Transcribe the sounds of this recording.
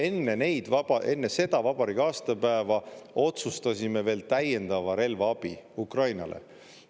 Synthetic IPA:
e̞nːe̞ne̞jd̪̥vɑɑʔe̞nːese̞d̪̥ɑvɑb̥ɑɾikɑːst̪ɑpæevɑo̞t̪sust̪ɑsʲime̞ve̞ːlt̪æje̞nd̪̥ɑvɑɾe̞lvɑɑb̥iukrɑjnɑ̰lʔḛ

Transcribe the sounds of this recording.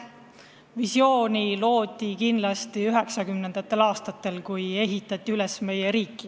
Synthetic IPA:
visjo̞ːnʲilo̞ːd̪̥ʲˑikinlɑst̪iyɦe̞ksɑkymne̞nd̪̥ɑt̪ːˑe̞lɑːst̪ɑt̪ːˑe̞lkuje̞ɦit̪ːˑɑt̪ːˑiyle̞sme̞jeɾiːkːˑi

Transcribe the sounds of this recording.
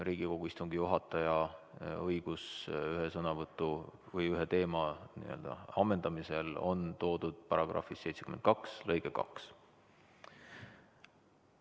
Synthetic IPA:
riːɡ̥iko̞ɡ̥uist̪uŋɡijuɦɑt̪ːˑɑjɑɤjɡ̥usyɦesɤnɑvɤt̪ːˑuvɤjyɦet̪e̞ːmɑnḭø̞̰ld̪̥ɑ̰ɑmːe̞nd̪̥ɑmise̞lo̞̰nt̪o̞ːd̪̥ud̪̥pɑɾɑɡ̥rɑ̰fisːe̞jt̪se̥kymen̚kɑkslɤjɡ̥ekɑ̰ks

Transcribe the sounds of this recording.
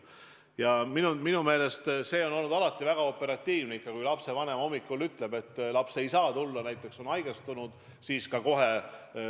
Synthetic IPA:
jɑminuminume̞ːle̞st̪se̞ːo̞no̞lnud̪ɑlɑt̪ːˑivæɡ̥ɑo̞pːe̞ɾɑt̪ːiːvneikːɑkujlɑpse̞vɑne̞mɑo̞mːikːˑulyt̪ːˑle̞be̞t̪ːˑlɑpse̞jsɑːt̪ulːɑnæjt̪ːˑe̞kso̞nɑjɡ̥est̪unud̪̥ | siːskɑko̞ɦe̞

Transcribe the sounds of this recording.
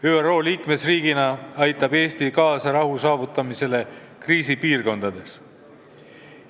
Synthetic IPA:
yːero̞ːliːkme̞sriːɡinɑɑjt̪ːˑɑbe̞ːst̪ikɑːsɑɾɑɦusɑːvut̪ˑːɑmise̞le̞ | kriːsipiːrko̞nd̪̥ɑd̪̥e̞s

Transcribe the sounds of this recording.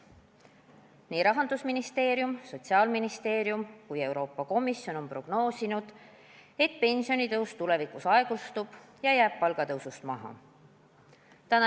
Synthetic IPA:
niːɾɑɦɑnd̪usminist̪e̞ːɾjumso̞t̪ʲsiɑːlminist̪e̞ːɾjumkuje̞wɾo̞ːpːɑko̞misːjo̞no̞npro̞ɡ̥no̞ːsinud̪̥ | e̞t̪pe̞nʲsio̞nit̪ɤwst̪ule̞vikˑusɑe̞ɡ̥ust̪ub̥ | jɑjæːb̥pɑlɡ̥ɑt̪ɤwsust̪mɑɦɑ̰ | t̪ænɑ

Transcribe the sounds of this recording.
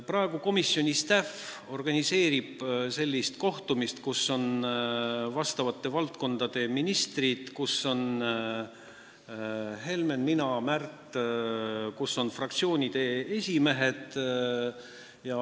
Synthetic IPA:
prɑe̞ɡ̥uko̞misːjo̞nʲist̪æf | o̞rɡ̥ɑnʲise̞ːɾib̥se̞lʲːist̪ko̞ht̪umist̪kusːo̞n | vɑst̪ɑvɑt̪ːˑe̞vɑlt̪̚ko̞nd̪̥ɑd̪̥e̞minist̪rid̪̥kusːo̞n | ɦe̞lme̞nminɑmært̪ˑ | kusːo̞nfrɑk̚t̪sio̞ːnʲid̪̥e̞esʲime̞ɦe̞d̪̥ | jɑ

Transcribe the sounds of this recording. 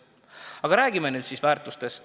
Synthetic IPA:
ɑɡ̥ɑɾæːɡ̥imenyːd̪siːsvæːrt̪ˑust̪e̞st̪

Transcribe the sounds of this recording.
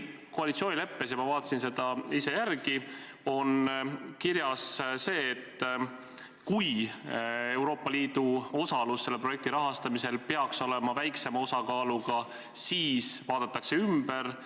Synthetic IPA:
ko̞ɑlit̪sio̞ːnʲile̞pːesjɑmɑvɑːt̪ːˑɑsinse̞d̪̥ɑise̞jærɡ̥i | o̞nkiɾjɑsse̞ːt̪ː | kuj | e̞wɾo̞ːpːˑɑliːd̪̥uo̞sɑlusːe̞lːeproje̞k̚t̪iɾɑɦɑst̪ɑmise̞lpe̞ɑkso̞le̞mɑvæjkse̞mɑo̞sɑkɑːluɡ̥ɑ | siːsvɑːd̪̥ɑt̪ːˑɑkse̞ymb̥e̞ɾ

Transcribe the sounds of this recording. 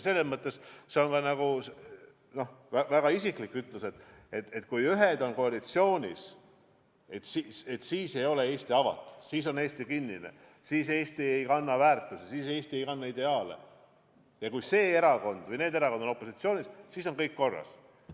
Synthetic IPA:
se̞lːesmɤt̪ːˑe̞sse̞o̞nkɑnɑɡ̥use | no̞hvævæɡ̥ɑisiklikːˑyt̪ˑluse̞t̪ˑet̪et̪ːˑkujyɦed̪o̞nko̞ɑlit̪sio̞ːnʲis | et̪siet̪siːse̞jo̞lee̞ːst̪iɑvɑ̰t̪ːˑu̥siːs̬o̞ne̞ːst̪ikinːinḛ | siːse̞ːst̪ie̞jkɑnːɑvæːrt̪ːˑusesiːse̞ːst̪ie̞jkɑnːɑid̪e̞ɑːlḛ | jɑkujse̞ːe̞ɾɑko̞nd̪̥vɤjneːd̪e̞ɾɑkond̪ono̞pːˑo̞sit̪sio̞ːnʲissiːso̞nkɤjkːo̞rːɑ̰s

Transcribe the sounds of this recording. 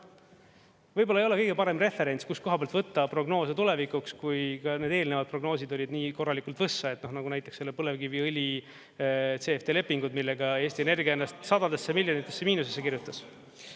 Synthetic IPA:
vɤjb̥olɑejo̞lekɤ̞jɡ̥epɑɾe̞mre̞fe̞ɾe̞nt̪skusko̞ɦɑpeɑlt̪vɤt̪ːɑpro̞ɡno̞ːset̪ule̞vikukskujkɑne̞d̪̥e̞ːlne̞vɑd̪̚pro̞ɡno̞ːsʲid̪o̞lʲid̪niːko̞rːɑlikˑult̪v̥ɤsːɑe̞t̪nohnɑɡunæjt̪ːˑeksːelːepɤle̞vkiviɯlʲi | t̪se̞ːft̪e̞ːle̞pːiŋɡ̥ud̪milːe̞ɡɑe̞ːst̪iene̞rɡienːɑst̪sɑd̪ɑd̪̥esːemilʲjonit̪ˑːe̞sːe̞miːnusesːe̞kirjut̪ːˑɑs

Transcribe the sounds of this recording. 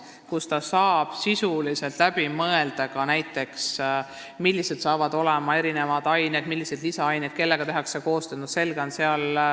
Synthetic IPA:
kust̪ɑsɑːb̥sisuliselt̪læb̥imɤeld̪̥ɑkɑnæjt̪ːˑe̞ks | milːise̞d̪̥sɑːvɑd̪̥o̞lemɑe̞ɾine̞mɑd̪̥ɑjned̪̥milːise̞d̪̥lisɑɑjned̪̥̚ke̞lːe̞ɡɑt̪e̞ɦɑkseko̞ːst̪øːnuse̞lɡ̥eo̞nse̞ɑl

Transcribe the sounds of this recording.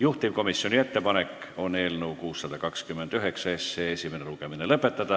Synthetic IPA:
juht̪imko̞misːjonʲie̞t̪ːe̞pɑne̞kː | o̞ne̞ːlnuwkuːsːɑd̪̥ɑkɑkskymːend̪̥yɦeksɑesːeesʲimeneluke̞minelɤpˑːe̞t̪ːˑɑd̪̥ɑ

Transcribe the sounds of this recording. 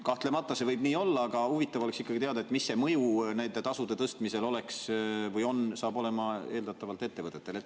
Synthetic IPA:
kɑht̪le̞mɑt̪ːˑɑse̞vɤjb̥niːo̞lːɑːɡ̥ɑhuvit̪ːˑɑvo̞le̞ksikːɑɡ̥it̪eɑd̪ɑet̪ːˑmisːe̞mɤjunæjnd̪et̪ɑsud̪e̞t̪ɤst̪mise̞lo̞le̞ksvɤjo̞nsɑːbo̞le̞mɑe̞ːld̪ɑt̪ːˑɑvɑlt̪ːˑe̞t̪ːe̞vɤt̪ːˑet̪ːˑe̞let̪ː

